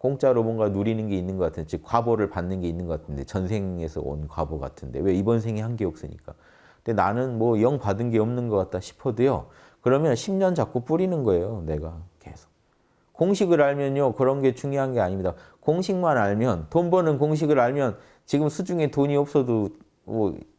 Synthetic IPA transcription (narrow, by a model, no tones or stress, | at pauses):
koŋt͡ɕ͈aɾomwʌnɡanuɾinɯnɡe̞inːɯnɡʌk͈atʰɯndet͡ɕɯkkwaboɾɯɭpanːɯnɡe̞inːɯnɡʌkatʰɯnde̞t͡ɕʌnsʰe̞ŋe̞sʰʌ̰o̰nkwa̰boɡa̰tʰɯnde̞we̞ibʌnsʰe̞ŋihanɡe̞ʌp̚s͈ɯɲḭk͈a̰ | d̥enanɯnmwʌjʌŋpadɯnɡe̞ʌmnɯnɡʌk͈at̚t͈aɕʰi̥pʰʌdejo̰ | kɯɾʌmjʌnɕʰimɲʌnt͡ɕak͈̚up͈uɾinɯnɡʌe̞jone̞ɡake̞sʰo̥k̚ | koŋɕʰiɡɯɾaɭmjʌɲokɯɾʌnɡe̞t͡ɕuŋjoɦanɡe̞aɲimɲida | koŋɕʰiŋmanaɭmjʌntonbʌnɯnkoŋɕ̬ʰiɡɯɾaɭmjʌn | t͡ɕiɡɯmsʰud͡ʑuŋe̞toɲiʌp̚s͈ʌdo | mʌ